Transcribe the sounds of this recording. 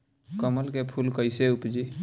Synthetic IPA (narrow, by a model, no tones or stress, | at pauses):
kəməlkepʰulkəɪseupd͡ʒi